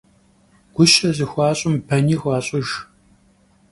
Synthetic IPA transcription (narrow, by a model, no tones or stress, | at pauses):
ɡ̥ʷʊʃɐzɨxʷɑːɕʼʊmpʰɐniːxʷɑːɕʼʊʒ